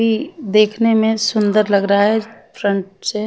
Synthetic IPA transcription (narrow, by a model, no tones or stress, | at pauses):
id̪eːkʰnemẽsʊ̃nd̪əɾlɐɡɾaaɦɛfɾə̃ɳʈse